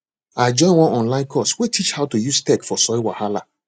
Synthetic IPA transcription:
aɪd͡ʒɔ̃ɪ̃nwɔ̃nɔ̃nlãɪ̃nkʰɔstwetʰit͡ʃhaʊtujuztɛkfɔsɔɪwahala

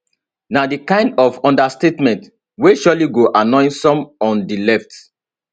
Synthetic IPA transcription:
nadikãɪ̃ndɔfɔ̃ndastetmɛ̃nt | weʃɔliɡoʔanɔ̃ɪ̃nsɔ̃mɔ̃ndilɛft

